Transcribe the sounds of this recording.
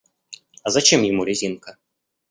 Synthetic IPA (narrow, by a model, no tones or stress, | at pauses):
ɐzat͡ʃimjamuɾʲɛzʲinkɐ